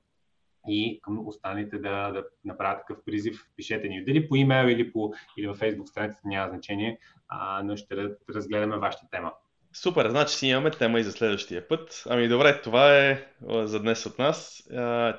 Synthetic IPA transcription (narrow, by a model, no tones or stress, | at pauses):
ikəmost̪anɐlit̪ɛd̪ɐd̪ɐnɐpɾavət̪kɐ̥kɤfpɾizifpiʃɛt̪ɛnid̪ɐlipoimɛlˠilipoilivɐfɛjzbukst̪ɾɐnit̪t̪ɐnʲamɐznɐt͡ʃɛniɛ | noʃt̪ɛɾɾɐzɡlɛd̪ɐmɛvaʃə̥t̪ət̪ɛmə | supɛɾznat͡ʃi̥siimɐmɛt̪ɛməizɐslɛd̪vəʃt̪iəpɤt̪ɐmid̪obɾɛt̪ovaɛzɐd̪nɛsot̪nas